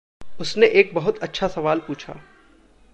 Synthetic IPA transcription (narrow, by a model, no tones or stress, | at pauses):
ʊsneʔeːk̚bɐɦʊt̪ɐtːʃʰasɐʋaːlpuːt͡ʃʰa̰ː